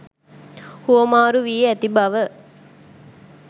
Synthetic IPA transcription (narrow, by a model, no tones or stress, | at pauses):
huomaːɾuʋiːeæt̪ibɐʋə